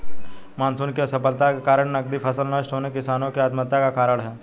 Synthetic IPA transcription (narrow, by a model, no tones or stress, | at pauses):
maːnsunkesɐpəlt̪akekaːɾəɳnɐɡ̚d̪ipʰɐsəlnəʃʈ̪onekɪsaːnõkeat̪mət̪ːakakaːɾəɽɦɛː